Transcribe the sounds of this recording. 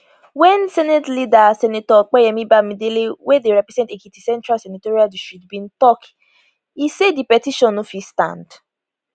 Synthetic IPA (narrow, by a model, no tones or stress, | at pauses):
wɛ̃nsɛnɛtlidasɛnitɔk͡pɛjɛmĩbamĩdelewedeɾɛpɾɛzɛ̃ntekutisɛ̃ntɾalsɛnitoɾiadisʃtɹitbĩn̩tɔk | isedipɛtiʃɔ̃nːũfistã̰nd